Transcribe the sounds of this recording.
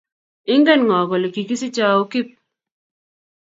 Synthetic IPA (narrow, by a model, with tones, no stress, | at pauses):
ɪ˦ŋɡɛ˦˨nŋɔ˨kɔ˨le˨ki˨ki˦sɪ˦t͡ʃa˦o˦kɪ˦p̚